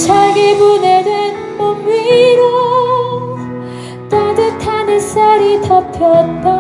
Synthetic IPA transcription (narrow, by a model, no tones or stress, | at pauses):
t͡ɕʰaɡebuned̪wen | pʌmːiɾo | t̪ad̪ɯt̪ʰanɯsaɾit̪ʰʌpʰjʌt̚ka